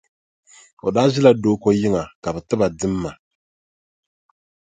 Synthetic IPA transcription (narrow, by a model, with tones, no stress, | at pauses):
o̰˨daː˦zɪ˦la˨doː˦ko˦jɪ˦ŋa˨ka˨bɛ˨tɨ˦ba˨dɨ˦mːa˨